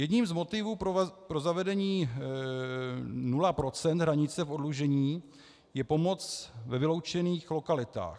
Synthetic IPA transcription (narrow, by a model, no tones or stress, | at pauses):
jɛdɲiːmzmo̞t̪ɪvuːppɾo̞zavɛdɛɲiː | nulapɾo̞t͡sɛnd̪ɦɾaɲɪt͡sɛfo̞dluʒɛɲiː | jɛpo̞mo̞t͡svɛvɪlo̞wt͡ʃɛniːxlo̞kalɪt̪a̰ːx